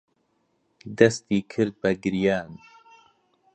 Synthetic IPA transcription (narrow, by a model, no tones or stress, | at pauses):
d̪ɐst̪iːkʰɨɾd̪̚bɐɡɨɾjaːn